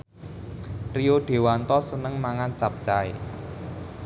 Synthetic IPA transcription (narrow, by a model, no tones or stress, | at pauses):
rioɖ̪̥e̤want̪ɔsənəŋmaŋant͡ʃap̚t͡ʃae